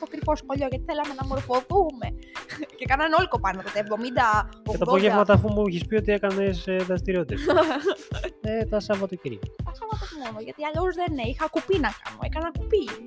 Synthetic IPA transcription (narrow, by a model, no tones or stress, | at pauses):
t̪okɾiposkoʎo̞ʝɐt̪i̥θelɐme̞nɐmo̞ɾfo̞θume̞cekɐnɐneo̞liko̞pɐnɐt̪ot̪evðo̞mind̪ɐoɐt̪ɐðpoʝevmɐt̪ɐːfumuiçispio̞t̪iekɐnesðɐst̪iɾio̞t̪it̪ɐ | et̪ɐsɐvɐt̪uciɾḭɐsɐvɐt̪ezmo̞noʝɐt̪iɐʎo̞zðeneixɐkupinɐkɐ̰noḛkɐnɐkupi